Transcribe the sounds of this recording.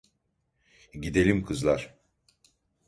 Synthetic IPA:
ɟid̪e̞lʲimkʰɯzlˠaɾ̥

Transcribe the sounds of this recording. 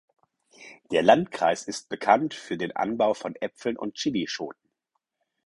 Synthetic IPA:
d̥eːɐlantkʁ̥a̰ɪsɪst̚b̥əkʰantfyːɐdeːnʔa̰nbaʊfɔnʔɛpfl̩nʔʊ̰nt̚t͡ʃɪliʃo̰ːt̚n̩

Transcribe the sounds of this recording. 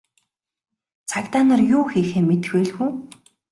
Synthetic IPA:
t͡sʰakt̪aːnărjʊːxiːxeːmet̪ɘ̥̆xeːɮxuː

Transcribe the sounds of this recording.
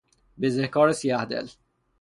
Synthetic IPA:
bezehkɒːɾesiæhd̪ḛl

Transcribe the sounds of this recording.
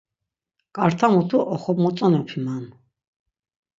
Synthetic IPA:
kʼaɾt̪ʰamut̪ʰuʔɔχɔbmɔt͡s̪ʼanɔpʰiman

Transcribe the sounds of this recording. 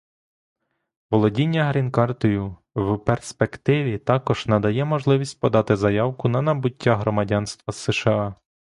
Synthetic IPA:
ʋɔlˠɔdʲinʲːɐɦɾʲinkɑrt̪ɔjʊ | wperspekt̪ɪʋʲit̪ɑkɔʒ̥nɐd̪ɐjɛmɔʒlˠɪʋʲisʲt̚ʲpɔd̪ɑt̪ɪzɐjɑwkʊnɐnɐbʊtʲːaɦɾɔmɐdʲɑnst̪ʋɐsɪʃɐɑ

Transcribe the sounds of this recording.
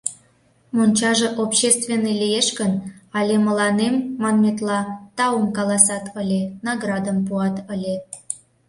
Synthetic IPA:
monʲt͡ɕɑʒeʔopɕest̪vʲenːelʲijeʃkənɑlʲemə̆lɑnemːɑnmʲet̪lɑt̪ɑumkɑlɑsɑt̪ʰəlʲenɑɣrɑd̪əmpuɑt̪əlʲe

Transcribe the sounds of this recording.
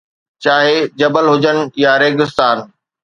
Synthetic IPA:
t͡ɕaːɦed͡ʑɐbəlɦʊd͡ʑənɪ̆jaɾeːɡɪst̪aːn

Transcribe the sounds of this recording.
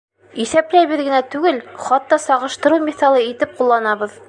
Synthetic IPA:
iθæplæjβɘ̆ðɡɘ̆næt̪ʉɡɘlχɑt̪ːɑsɑʁɤ̆ʃt̪ɤ̆ɾɤwmiθɑlˠɤit̪ɘp̚qulˠːɑnɑβɤ̆ð

